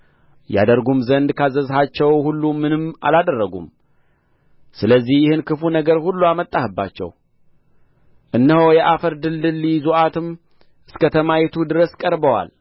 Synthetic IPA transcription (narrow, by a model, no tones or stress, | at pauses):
ja̰d̪əɾɡumzənd̪kʰazəzhat͡ʃːɛwhulːumɨnɨmːa̰lad̪ərːəɡṵm | sɨləzːihjɪhɨnkʰɨfunəɡəɾhulːuamət̪ʼːahɨbːa̰t͡ʃːɛ̰w | ʔɨnːɨhowjɛʔafəɾd̪ɨld̪ɨlːizuʔat̪ʰɨm | ʔɨskət̪ʰəmajɛt̪ʰud̪ɨɾəskʼəɾbəwa̰l